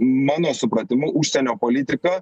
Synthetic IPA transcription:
mɑːnoːsʊpɾɐt̪ʲɪmʊʔuːʃʲsʲɛnʲoːpoːlʲɪt̪ʲɪkɐ

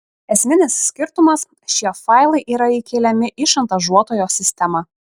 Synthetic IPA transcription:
ɛsʲmʲɪnʲɪsːʲkʲɪɾt̪ʊmɐs | ʃʲiɛfɑˑɪlˠɐɪʔiːɾɐɪkʲeːlʲɛmʲɪʔɪʃɐnt̪ɐʒuɔt̪oːjoːsʲɪsʲt̪ʲɛmɐ

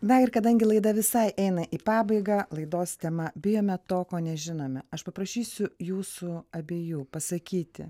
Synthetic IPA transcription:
nɐɪɾkɐd̪ɐŋʲɡʲɪlˠɐɪd̪ɐʋʲɪsɐɪʔɛɪnɐʔiːpɑːbɐɪɡɑːlˠɐɪd̪oːst̪ʲɛmɐbʲɪjoːmʲɛt̪oːkoːnʲɛʒʲɪnoːmʲɛɐʃpɐpɾɐʃʲiːsʲʊjuːsuɐbʲeːjuːpɐsɐkʲiːt̪ʲɪ̰

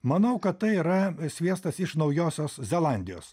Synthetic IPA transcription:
mɐnɐʊkɐt̪t̪ɐɪiːɾɐsʲʋʲiɛst̪ɐsɪʃnɐʊjoːsʲoːszʲɛlˠɑˑnʲd̪ʲɪjo̰ːs

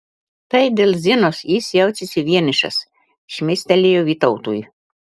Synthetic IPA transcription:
t̪ɐɪd̪ʲeːlˠʲzʲɪnoːsjɪsjɛʊt͡ʃʲɪsʲɪʋʲiɛnʲɪʃɐ̰s | ɪʃʲmʲesʲt̪ʲɛlʲejoːʋʲiːt̪ɔʊt̪ṵːj

